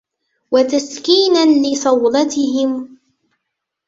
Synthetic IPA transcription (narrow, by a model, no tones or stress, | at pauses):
wat̪askiːnanlɪsˤɑwd̪ɑt̪ɪɦɪm